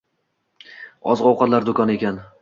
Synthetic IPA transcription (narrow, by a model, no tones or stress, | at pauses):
ɒzʁɒwqʰɑt̪laɾd̪okʰɒne̞kʲan